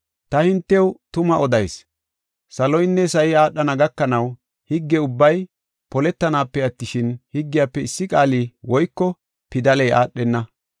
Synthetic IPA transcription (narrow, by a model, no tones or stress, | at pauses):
t̪ɐhɪnt̪ːɛwt̪ʊmɐʔɔd̪ɐjs | sɐlɔjnːɛsɐjɪaːɗːɐnɐɡɐkːɐnɐw | hɪɡːɛʊbːɐj | pɔlɛt̪ːɐnaːpːɛɐt̪ːɪʃɪnhɪɡːɪjaːpːɛɪsːɪkʼaːliːwɔjkːɔ | pɪd̪ɐlɛjʔa̰ːɗːɛnːɐ